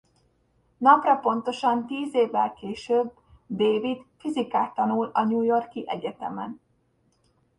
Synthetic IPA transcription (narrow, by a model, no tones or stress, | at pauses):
nɒprɒpo̞nt̪o̞ʃɒnt̪iːzeːvːɛlkeːʃøːb | d̪eːvit̪fizikaːt̪ːɒnulɒɲuːjo̞rkiʔɛɟɛt̪ɛmɛn